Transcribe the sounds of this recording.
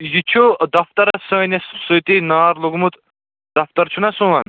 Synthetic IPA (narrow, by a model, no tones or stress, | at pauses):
jit͡ʃʰod̪ɐft̪ɐɾɐsɐnessujt̪inaːɾloɡmut̪ | d̪̥ɐft̪ɐɾt͡ʃʰunɐsũɐn